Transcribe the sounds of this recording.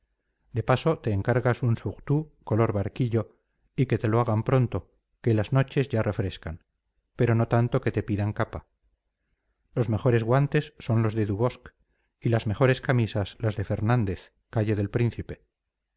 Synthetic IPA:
d̪e̞paso̞t̪e̞ːŋkaɾɣasunsuɣt̪uko̞lo̞ɾβaɾkiʎo̞ | ike̞t̪e̞loaɣampɾo̞nt̪o̞ | ke̞lazno̞t͡ʃe̞zʝarʔe̞fɾe̞ska̰n | pe̞ɾo̞no̞t̪ant̪o̞ke̞t̪e̞piðaŋkapa | lo̞zme̞χo̞ɾe̞zɣwant̪e̞sːo̞nlo̞zðe̞ðuβo̞sk | ilazme̞χo̞ɾe̞skamisaslazðe̞fe̞ɾnãnd̪e̞θ | kaʝe̞ðe̞lpɾin̟θipe̞

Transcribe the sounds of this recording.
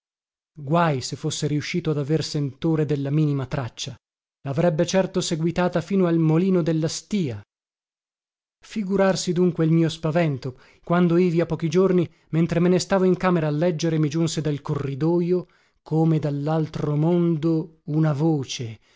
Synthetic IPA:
ɡwajsefːosːeɾiuʃːiːt̪oad̪aversent̪oːɾed̪elːamiːnimat̪ɾat͡ʃːa | laːvɾɛbːet͡ʃɛrt̪oseɡwit̪aːt̪afiːnoalmoliːnod̪elːast̪iːa | fiɡuɾarsid̪uŋkweilmiːospavɛnt̪o | kwand̪oiːviapːɔːkid͡ʒorni | ment̪ɾemenest̪aːvoiŋkaːmeɾaːlːɛd͡ʒːeɾemid͡ʒunsed̪alkorːid̪ɔːjo | kʰoːmed̪alːalt̪ɾomond̪ounavoːt͡ʃe

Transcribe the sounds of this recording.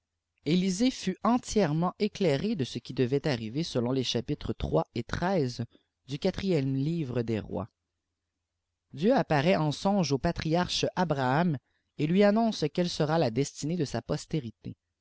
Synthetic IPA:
elizefyɑ̃t̪jɛʁmɑ̃ʔeklɛʁed̪əsəkʲid̪əvɛt̪aʁivesəlɔ̃leʃapit̪χət̪χwaet̪χɛːz | d̪ykʲat̪χijɛmliːvʁəd̪eʁwa̰ | d̪jøapaʁɛɑ̃sɔ̃ʒopat̪χiaʁʃabʁaam | elɥianɔ̃skʲɛlsəʁalad̪ɛst̪ined̪əsapɔst̪eʁit̪ḛ

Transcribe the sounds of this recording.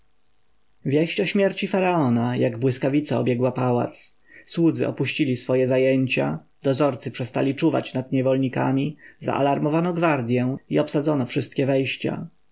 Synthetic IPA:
vʲjɛɕt͡ɕɔɕmʲjɛɾt͡ɕifaɾaɔnajaɡbwɘskavʲit̪saɔ̰bʲjɛɡwapawa̰t̪s | swud̪zɘ̰ʔɔ̰puɕt͡ɕilʲisfɔjɛzajɛɲt͡ɕa̰d̪ɔzɔɾt̪sɘpʂɛst̪a̰lʲit͡ʂuva̰t͡ɕnad̪̚ɲɛvɔlɲika̰mʲiza̰ʔa̰laɾmɔvanɔɡvaɾd̪ʲjɛ̃iɔpsad̪zɔnɔfʂɘst̪̚kʲɛvɛjɕt͡ɕa̰

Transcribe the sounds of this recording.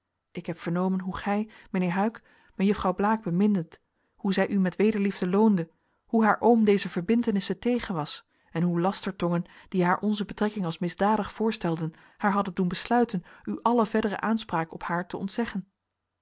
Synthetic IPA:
ʔɪkɦɛpfəɹnowmənɦuχɛj | mənɪːɹɦœɥk | məjəfrɑwblaːɡ̚bəmɪndət | huzɛjʔymɛtʋejdəɹlivdəlowndə | huɦaːɹʔowmdejzəvəɹbɪntənɪsətejχənʋɑs | ɛnɦulɑstəɹtɔŋənd̥iɦaːɹʔɔnzəbətrɛkɪŋɑlˠsmɪzdaːdəχfʊːɹstɛlˠdən | haːɹɦɑdəndunbəslœɥtənyʔɑləvɛɹdərə̰ʔaːnspraːkɔphaːɹtəɔ̰ntsɛχən

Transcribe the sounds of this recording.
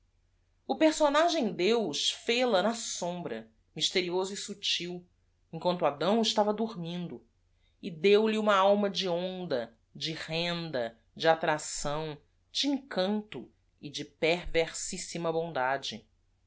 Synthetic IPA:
ʊpeɾsonaʒẽj̃d̪ewʃfelɐnɐsõmbɾɐ̰ | miʃt̪eɾiozʊisut͡ʃiw | ẽŋkwɐ̃nt̪ʊad̪ɐ̃w̃ɪʃt̪avɐd̪uɾmĩnd̪ʊ | ɪd̪ewliũmɐawmɐd͡ʒɪõnd̪ɐ | d͡ʒɪhẽnd̪ɐ | d͡ʒɪat̪ɾasɐ̃w̃ | d͡ʒɪĩŋkɐ̃nt̪ʊ | ɪd͡ʒɪpeɾveɾsisimɐbõnd̪ad͡ʒɪ

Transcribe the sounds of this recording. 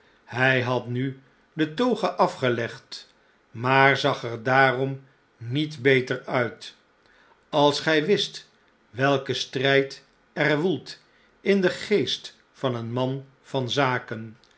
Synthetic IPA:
hɛjɦɑtny | dətowχəʔɑfχəlɛχt | maːrzɑχɛɹdaːrɔm | nitbejtəɹœɥt | ɑlˠsχɛjʋɪst | ʋɛlˠkəstrɛjt | ɛrʋulˠt | ɪndəχejst | fɑnənmɑn | v̥ɑnzaːkən

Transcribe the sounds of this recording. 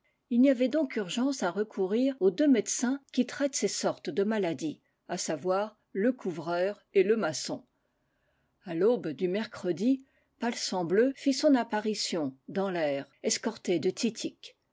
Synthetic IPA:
ilniavɛd̪ɔ̃kyʁʒɑ̃saʁəkʰuʁiʁod̪ømɛd̪sɛ̃kʲit̪χɛt̪sesɔʁt̪d̪əmalad̪i | asavwaːʁ | ləkʰuvʁœːʁeləmasɔ̰̃ | alobd̪ymɛʁkχəd̪i | palsɑ̃bløfisɔ̃napaʁisjɔ̃d̪ɑ̃lɛːʁɛskɔʁt̪ed̪ət̪ʰit̪ʰik

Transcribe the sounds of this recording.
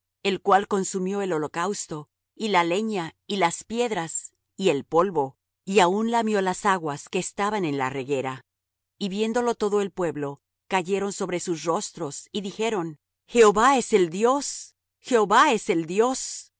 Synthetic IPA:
e̞lkwalko̞nsumjo̞elo̞lo̞kawst̪o̞ | ilale̞ɲailaspje̞ðɾas | ie̞lpo̞lβo̞ | iaunlamjo̞lasaɣwaske̞ːst̪aβane̞nla̰re̞ɣe̞ɾa | iβje̞nd̪o̞lo̞t̪o̞ðo̞e̞lpwe̞βlo̞ | kaʝe̞ɾo̞nso̞βɾe̞susro̞st̪ɾo̞siðixe̞ɾo̞n | xe̞oβae̞se̞ld̪jo̞s | xe̞oβae̞se̞ld̪jo̞s

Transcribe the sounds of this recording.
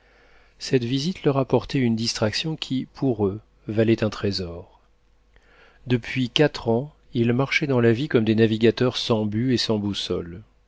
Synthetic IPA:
sɛt̪vizit̪lœʁapɔʁt̪ɛynd̪ist̪χaksjɔ̃kʲʰipʰuʁø | valɛt̪ɛ̃t̪χezɔʁ | d̪əpʰɥikat̪χɑ̃ | ilmaʁʃɛd̪ɑ̃lavikɔmd̪enaviɡʲat̪œʁsɑ̃byesɑ̃busɔ̰l

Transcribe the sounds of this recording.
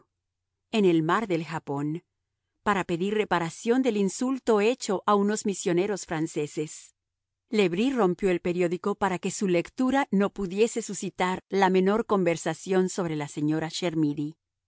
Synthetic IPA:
e̞ne̞lmaɾðe̞lxapo̞n | paɾape̞ðire̞paɾasjo̞nd̪e̞linsult̪o̞e̞t͡ʃo̞ʔauno̞zmisjo̞ne̞ɾo̞sfɾanse̞se̞s | le̞βɾiro̞mpjo̞elpe̞ɾjoðiko̞paɾake̞sule̞kt̪uɾano̞puðje̞se̞susit̪aɾlame̞no̞ɾko̞mbe̞ɾsasjonso̞β̞ɾe̞lase̞ɲo̞ɾaʃe̞ɾmiði

